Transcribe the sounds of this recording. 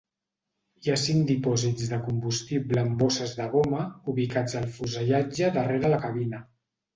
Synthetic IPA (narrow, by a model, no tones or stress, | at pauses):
iasiŋd̪ipɔzid͡zzðəkumbust̪ibləmbosəzðəɣoməuβikad͡zəlˠfuzəʎad͡ʒəðəreɾələkəβinə